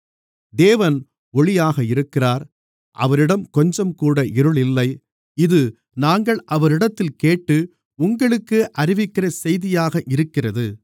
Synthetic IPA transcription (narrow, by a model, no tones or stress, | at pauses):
d̪eːʋɐn | ɔɭɪjaːɣɐɪɾɯkːɪraːɾ | ʔɐ̰ʋɐɾɪɽɐmkɔɲd͡ʒɐmkuːɽɐʔɪɾɯɭɪlːɐɪ | ɪðɯ | naːŋɡɐɭʔɐʋɐɾɪɽɐt̪ːɪlkeːʈːɯ | ʊŋɡɐɭɯkːɯʔɐɾɪʋɪkːɪrɐsɛjðɪjaːɣɐʔɪɾɯkːɪrɐðɯ